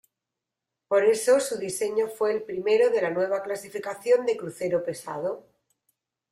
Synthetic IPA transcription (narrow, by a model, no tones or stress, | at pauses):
po̞ɾe̞sosuðise̞ɲofwe̞ːlpɾime̞ɾoðe̞lanwe̞β̞aklasifikaθjo̞nd̪e̞kɾuθe̞ɾope̞sa̰ð̞o